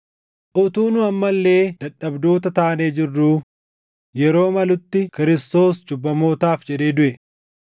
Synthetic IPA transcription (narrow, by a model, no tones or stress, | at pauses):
ʔʊt̪uːnʊɐmːɐlːe̞ːd̪ɐᶑːɐbd̪oːt̪ɐt̪aːneːd͡ʒɪrːuː | jɛɾo̞ːmɐlʊt̪ːɪkɪɾɪst̪o̞ːsd͡ʒʊbːɐmo̞ːt̪aːfd͡ʒɛᶑe̞ːd̪ʊʔɛ